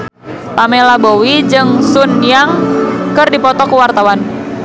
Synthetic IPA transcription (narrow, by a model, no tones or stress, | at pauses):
pamelabowid͡ʒɨŋsunjaŋkɨrdipɔt̪ɔkəwart̪awan